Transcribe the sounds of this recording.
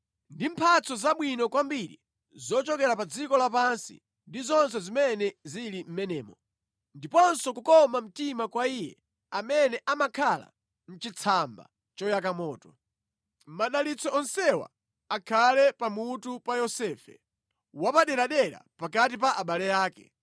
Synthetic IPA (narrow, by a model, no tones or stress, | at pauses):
ndim̩pʰat͡sʰɔzaɓwinɔkwambiɾḭ | zɔt͡ʃɔkɛɾapad͡zikɔlapansḭ | ndizɔnsɛzimɛnɛzilim̩mɛnɛːmɔ | ndipɔnsɔkukɔmam̩timakwaiːjɛ̰ | amɛnɛʔamakʰala̰ | n̩t͡ʃit͡sʰamba̰ | t͡ʃɔjak̬amɔːtɔ̥ | m̩maɗalit͡sʰɔɔnsɛwa̰ | akʰalɛpamutupajɔsɛːfɛ | wapaɗɛɾaɗɛɾa̰pakat̬ipaʔaɓalɛjaːkɛ̰